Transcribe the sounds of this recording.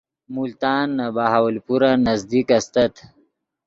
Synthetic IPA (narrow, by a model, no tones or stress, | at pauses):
mult̪ɑːnːabaɦawalpuɾanazd̪ikast̪at̪